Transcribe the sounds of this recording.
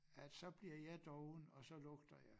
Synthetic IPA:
æd̥sɒ̽b̥liɐ̰jɑ̈ɪd̥ɒʊn̩ɒ̽sɒ̽lɔ̽ɡ̥d̥ɐjɑ̈ɪ

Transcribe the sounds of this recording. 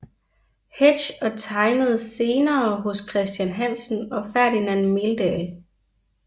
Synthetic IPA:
he̥ɕɒ̽t͡sʰɑ̈ɪnəð̞̩ˠse̝ːnɐːɦɔ̽skʰʁɛsd̥jænɦæn̰sn̩ɒ̽fæɐd̥inænmeld̥ɛl

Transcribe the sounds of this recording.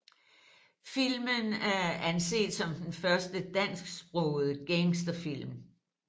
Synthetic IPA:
fil̰mənæɐænse̝̰ːd̥sɒ̽md̥enfɶɐsd̥əd̥æn̰sɡ̥sb̥ʁɔːʊð̩ˠəɡ̥eŋsd̥ɐfil̰m

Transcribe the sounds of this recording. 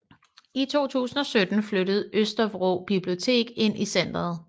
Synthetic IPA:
it͡sʰo̝̰ːt͡sʰṵːsn̩ɒ̽sød̥n̩fløɾ̥əð̞̩ˠøsd̥ɐʋʁo̰b̥ib̥lio̝t͡sʰe̝̰ːɡ̥e̝n̰ʔisen̰d̥ɐð̩ˠ

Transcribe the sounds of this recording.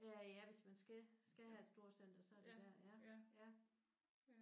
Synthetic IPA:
æjæʋe̝smænsɡ̥æsɡ̥æɦæe̝d̥sd̥o̝ɐ̰sen̰d̥ɐsɒ̽æɐd̥ed̥æɐ̰jæjæ

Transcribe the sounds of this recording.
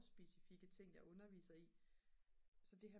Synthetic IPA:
sb̥e̝sifiɡ̥ət͡sʰe̝ŋ̰jɑ̈ɪɔ̽nɐʋḭːsɐi | sɒ̽d̥e̝ɦæ

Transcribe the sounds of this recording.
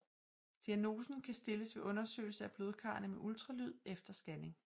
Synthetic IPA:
d̥iæno̝ːsn̩kʰæsd̥e̝ləsʋe̝ʔɔ̽nɐsø̰ːɪl̩səæb̥lo̝ːðˠkʰɑ̰̈ːnəmeʔult͡sʰʁɑlyð̞̰ˠefd̥ɐsɡ̥æne̝ŋ

